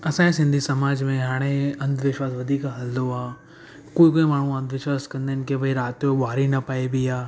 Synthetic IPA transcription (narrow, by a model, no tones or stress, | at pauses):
ɐsãːẽsɪ̃nd̪ʱisɐmaːd͡ʒmẽɦaːɽ̃eɐ̃nd̪ʋɪʃwaːsʋɐd̪ʱiːkaɦɐld̪oaː | koːikoːimaːɳ̤ũɐ̃nd̪ʋɪʃwaːskɐ̃nd̪eːnkebʱɐiɾaːt̪joʋaːɾinɐpaːebʱijaː